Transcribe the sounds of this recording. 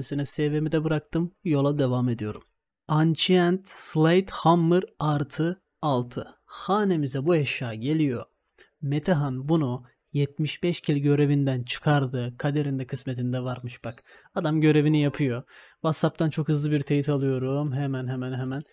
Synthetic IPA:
sini̥sɛvemid̪ɛbɯɾak̚t̪ʰɯmjo̞lˠad̪e̞vame̞d̪ijo̞ɾum | ant͡ʃʰiænt̪slʲˠajt̪hamːɯɾaɾt̪ʰɯ | alˠt̪ʰɯhaːne̞mizɛbueʃjaːɟe̞lʲijo̞ | met̪ʰaɦanbunu | jɛt̪̚miʃbɛʃcʰilʲɟø̞ɾe̞vind̪ænt͡ʃʰɯ̥kʰaɾd̪ɯːkʰad̪e̞ɾind̪ɛkʰɯsmet̪ʰind̪ɛvaɾmɯʃb̥ak | ad̪amɟø̞ɾe̞vinijapʰɯjo̞ | vat̪sap̚t̪ʰant͡ʃʰo̞khɯzlˠɯbiɾt̪ʰejit̪ʰalˠɯjo̞ɾumɦemænɦemænɦemæn

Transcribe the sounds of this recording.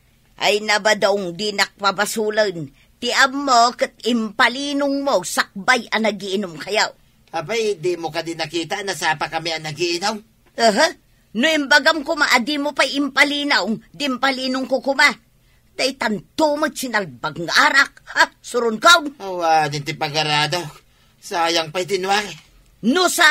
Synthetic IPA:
ʔa̰jnabad̪aʊŋd̪inak̚pabasulan | t̪ɪʔabmːokət̪̚ɪmpalinʊŋmosak̚bajanaɡiʔːnʊmkajaw | apajd̪imokad̪inakiːt̪aʔnasaːpakamiaŋnaɡiinawŋ | əɦə | nʊɪmbaɡamkʊmaʔad̪imopajɪmpalinawŋd̪ɪmpaliːnʊŋkokʊma | d̪̥ajt̪ant̪umot͡ʃinalbaɡŋaʔaɾak̚hasʊɾʊnkawŋowanɪnt̪ɪpaɡaɾaːd̪aw | saːjaŋpajt̪ɪnwa | nʊsa

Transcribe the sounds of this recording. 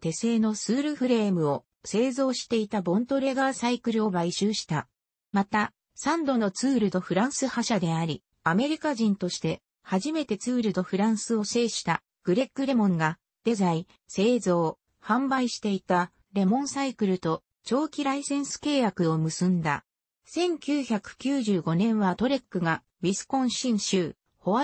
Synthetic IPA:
t̪e̞se̞ːno̞sɨːɾɯ̟ɸɯ̟ɾe̞ːmɯ̟o̞ | se̞ːzo̞ːɕi̥t̪e̞it̪abõ̞nt̪o̞ɾe̞ɡaːsaikɯ̟ɾɯo̞baiɕɨːɕi̥t̪a | mat̪a | sãnd̪o̞no̞t͡sɨːɾɯ̟d̪o̞ɸɯ̟ɾãɰ̃sɨhaɕad̪e̞aɾʲi | ame̞ɾʲikaʑĩnt̪o̞ɕi̥t̪e̞ | haʑime̞t̪e̞t͡sɨːɾɯ̟d̪o̞ɸɯ̟ɾãɰ̃sɨo̞se̞ːɕi̥t̪a | ɡ̥ɯ̟ɾe̞kːɯ̟ɾe̞mõ̞ŋɡa | d̪̥e̞zai | se̞ːzo̞ː | hãmbaiɕi̥t̪e̞it̪a | ɾe̞mõ̞ɰ̃saikɯ̟ɾɯ̟t̪o̞ | t͡ɕo̞ːkʲiɾaisẽ̞ɰ̃sɨ̥ke̞ːjakɯ̟o̞mɯ̟sɨ̃nd̪a̰ | sẽ̞ŋkʲɨːçakɯ̟̥kʲɨːʑɨːɡo̞nẽ̞ɰ̃βat̪o̞ɾe̞kːɯ̟ɡa | bʲisɨ̥kõ̞ɰ̃ɕĩɰ̃ɕɨː | ho̞βa

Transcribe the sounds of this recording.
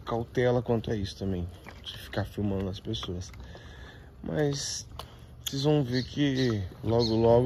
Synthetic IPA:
kawt̪ɛlɐkwɐ̃nt̪ʊɐisʊ̥t̪ɐ̃mbẽj̃d͡ʒɪfi̥kaɾfiwmɐ̃nd̪ʊɐspesoɐs | mʔɐ̰s | sezvɐ̃w̃veɾkʰɪlɔɡʊlɔɡ

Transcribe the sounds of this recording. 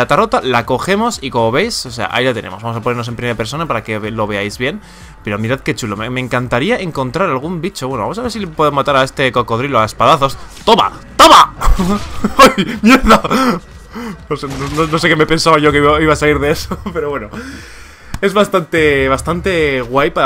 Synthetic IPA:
at̪aro̞t̪alako̞xe̞mo̞siko̞mo̞βe̞jsose̞a̰ʔa̰ilat̪e̞nḛ̃mozβamosapo̞neɾnoe̞mpɾimeape̞ɾso̞napaɾake̞βlo̞βe̞ajzβje̞n | pe̞ɾo̞miɾaðke̞t͡ʃulomeme̞ːŋkant̪aɾiaʔe̞ŋko̞nt̪ɾaɾalɣ̞umbit͡ʃo̞βwe̞noa̰mosaβeɾsipwoemat̪aɾae̞st̪e̞koko̞ð̞ɾiloae̞spaðaθo̞st̪oβa̰ | t̪oβa | ajmjeɾða | osnonono̞s̬e̞ke̞me̞pe̞nsaβaʝo̞keiβaiβasaliɾðe̞e̞sope̞ɾo̞βwe̞no | e̞zβast̪ant̪e̞βast̪ant̪e̞ɣwajpa

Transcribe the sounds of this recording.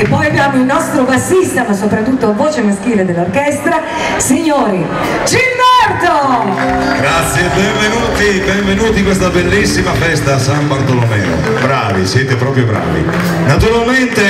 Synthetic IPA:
epːɔjabːjaːmoilnɔst̪ɾobasːist̪amasopɾat̪ːut̪ːoavoːt͡ʃemask̟iːled̪elːorkɛst̪ɾa | siɲːoːɾi | d͡ʒild̪art̪o | ɡɾat̪sjebɛɱvenuːt̪ibɛɱvenuːt̪ikwest̪abelːisːimafɛst̪asambart̪olomɛːno̰ | bɾaːvisɛt̪epɾɔːpɾjobɾa̰ːvḭ | nat̪uɾalment̪e

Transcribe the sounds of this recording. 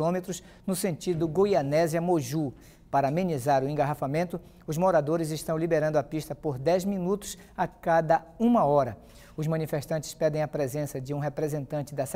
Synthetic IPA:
õmet̪ɾʊs | nʊsẽnt͡ʃid̪ʊɡojanɛziɐmoʒu | paɾɐmẽnizaɾʊẽŋɡaɦafamẽnt̪ʊ | ʊzmoɾad̪oɾɪzɪʃt̪ɐ̃w̃libeɾɐ̃nd̪ʊɐpiʃt̪ɐpoɾd̪ɛjzmĩnut̪ʊ̥s | akad̪ɐũmɐɔɾɐ | ʊzmɐ̃nifeʃt̪ɐ̃nt͡ʃɪ̥spɛd̪ẽj̃ɐpɾezẽsɐd͡ʒɪũɦepɾezẽnt̪ɐ̃nt͡ʃɪd̪ɐs

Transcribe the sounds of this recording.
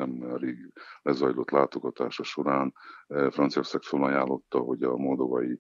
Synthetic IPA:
ɛmɛɾeːɡlɛzɒjlo̞t̪laːt̪o̞ɡɒt̪aːʃɒʃo̞ɾaːnfrɒnt̪sijoksaːkfølːɒjaːlːo̞t̪ːɒɦo̞ɟɒmo̞ld̪o̞vɒji

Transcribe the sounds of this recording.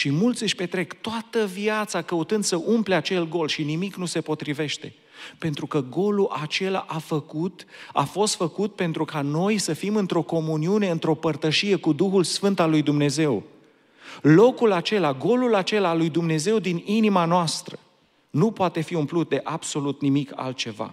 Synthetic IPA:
ʃimult̪sɨʃʲpe̞t̪ɾe̞kt̪oat̪əviat̪sakəut̪ɨnd̪səʔumple̞at͡ʃe̞lɡo̞lʃinimiknuse̞po̞t̪ɾive̞ʃt̪e̞ | pe̞nt̪ɾukəɡo̞luʔat͡ʃe̞la̰ʔafəkut̪a̰fo̞st̪fəkut̪̚pe̞nt̪ɾukano̞jsəfimɨnt̪ɾo̞ko̞muniune̞ɨnt̪ɾo̞pərt̪əʃije̞kud̪uxulsfɨnt̪alːujd̪umne̞ze̞w | lo̞kulat͡ʃe̞laɡo̞lulat͡ʃe̞lalujd̪umne̞ze̞wd̪ininimanoast̪ɾə | nupoat̪e̞fiumplut̪̚d̪e̞ʔabso̞lut̪nimika̰lt̪̚t͡ʃe̞va̰

